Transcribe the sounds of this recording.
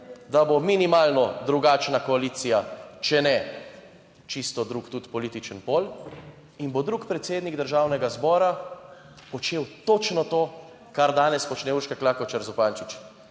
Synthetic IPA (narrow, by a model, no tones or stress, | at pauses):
d̪abominimaːlnɔd̪ɾuɡaːt͡ʃnakɔaliːt̪sijat͡ʃɛnɛ | t͡ʃist̪ɔd̪ɾukt̪ut̪pɔliːt̪it͡ʃənpoːl | inbod̪ɾukpɾɛt̪seːd̪niɡd̪əɾʒaːwnɛɡazbɔːɾa | pɔt͡ʃeːwt̪ot͡ʃnɔt̪oː | kaɾd̪aːnɛspɔt͡ʃnɛuːɾʃkɛklakɔt͡ʃaɾzupaːnt͡ʃut͡ʃ